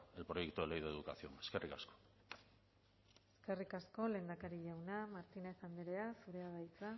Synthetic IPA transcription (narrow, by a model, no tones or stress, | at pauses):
e̞lpɾo̞jekt̪uelejðeðukasio̞ŋe̞ske̞rʔikasko̥ | e̞ske̞rikasko̞le̞ːnd̪akaɾiʝawnamaɾt̪ine̞θand̪eɾe̞asuɾe̞aβajt͡sa